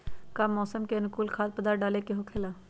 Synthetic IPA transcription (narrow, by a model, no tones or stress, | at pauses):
kamːɔːsəmkeɐnʊkuːlkʰaːd̪̚pəd̪aːɖaːlekeɦokʰeːlaː